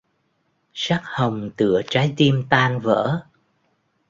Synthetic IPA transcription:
sa˦˥k̚hə˨˩wŋ͡mt̪ɨ̰˧˩ət͡ɕaː˨˦jt̪i˧əmt̪aː˧nvə̰ː˧˥

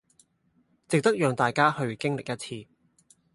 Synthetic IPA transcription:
t͡sɪ˨k̚t̪ɐ˥k̚jœː˨˧ŋt̪aː˨jkaː˥hɵ˧ɥkɪ˥ŋlɪ˨k̚jɐ˥t̚t͡sʰiː˧

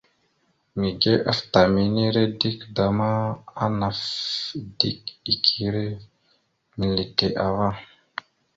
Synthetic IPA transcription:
mi˨ɡe˦ʔa˦fta˨mi˨ni˦ɾe˦di˦kda˨ma˦a˦na˨fdi˦ki˨kʰi˦ɾe˦ | mi˨li˨te˨ʔa˨va˦

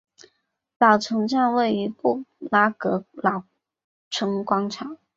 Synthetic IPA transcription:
lɑ˨˩ʊʈ͡ʂʰɤ˧˥ŋʈ͡ʂa˥˧nwe˥˩ɪi˧˥pu˥˩la˧˥kɤ˧˥lɑ˨˩ʊ | ʈ͡ʂʰɤ˧˥ŋkwɑ˥ŋʈ͡ʂʰɑ˨˩˦

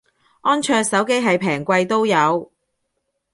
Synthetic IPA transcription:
ʔɔː˥nt͡ʃʰœː˧sɐ˨˥wke˥jɦɐ˨jpʰɛː˨˩ŋkʷɐ˧jt̪o˥wjɐ˨˧w

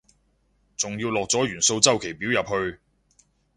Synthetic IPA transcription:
t͡sʊ˨ŋjiː˧wlɔː˨k̚t͡sɔː˨˥jyː˨˩nso˧wt͡sɐ˥wkʰe˨˩jpi˨˥wjɐ˨p̚ɦɵ˧ɥ

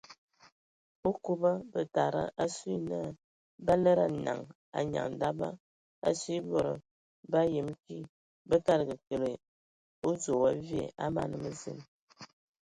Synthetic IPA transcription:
o˦ku˦bə˦bə˨ta˨ɾə̰˦ʔa˦si˦nə˦ | ba˦lə˦ɾa˦˨na̰˨ŋ | a̰˨ɲa̰˨ŋn̩˨da˦ba˦ | a̰˦si˦bo˦˨ɾə̰˨ | ba˦je˨mki˦ | bə˦ka˦˨ɾɡə˨kə˨le˨ | o˦d͡zo˨wa˦vjḛ˦˨a˦ma̰˦˨nə˨mə˦zḛ˨m

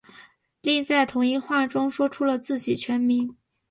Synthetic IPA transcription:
li˥˧ŋt͡sa˥˩ɪt̪ʰʊ˧˥ŋi˥˧xwa˥˩ʈ͡ʂʊ˥ŋʂwɔ˥ʈ͡ʂʰu˥lə˨t͡sɹ̩˥˩t͡ɕi˨˩t͡ɕʰɥɛ˧˥nmi˧˥n

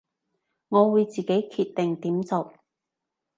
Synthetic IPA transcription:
ŋɔː˨˧wuː˨˧jt͡siː˨ke˨˥jkʰiː˧t̚t̪ːɪ˨ŋt̪iː˨˥mt͡so˨w

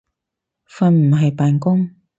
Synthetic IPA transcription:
fɐ˨˩nm̩˨˩ɦɐ˨jpaː˨nkʊ˥ŋ

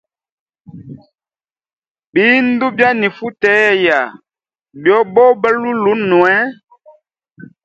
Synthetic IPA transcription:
biː˨˦n̩˦du˦bja˦ni˨fu˦tɛː˨˦˨ja˨ | bjɔ˦bɔ˦bɛ˦lu˦lu˦nwɛ˦

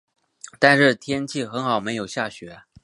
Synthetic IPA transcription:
t̪a˥˧nʂɻ̩˥˩t̪ʰjɛ˥nt͡ɕʰi˥˩xə˧˥nxɑ˨˩ʊme˧˥ɪjo˨˩ʊɕja˥˩ɕɥɛ˧˥

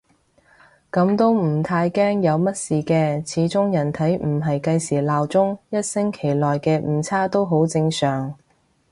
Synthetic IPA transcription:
kɐ˨˥mt̪o˥wm̩ː˨˩t̪ʰaː˧jkɛː˥ŋjɐ˨˧wmɐ˥t̚siː˨˩kɛː˧t͡sʰiː˨˥t͡sʊ˥ŋjɐ˨˩nt̪ʰɐ˨˥jm̩˨˩ɦɐ˨jkɐ˧jsiː˨˩laː˨wt͡sʊ˥ŋjɐ˥t̚sɪ˥ŋkʰe˨˩jlɔː˨jkɛː˧m̩ː˨˩t͡sʰaː˥t̪o˥wɦo˨˥wt͡sɪ˧ŋsœː˨˩ŋ

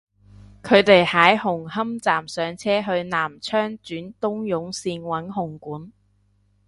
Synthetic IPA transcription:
kʰɵ˨˧ɥt̪e˨jhaː˨˥jhʊ˨˩ŋhɐ˥mt͡saː˨msœː˨˧ŋt͡sʰɛː˥ɦɵ˧ɥnaː˨˩mt͡ʃʰœː˥ŋt͡ʃyː˨˥nt̪ʊ˥ŋjʊ˨˥ŋsiː˧nwɐ˨˥nɦʊ˨˩ŋkuː˨˥n

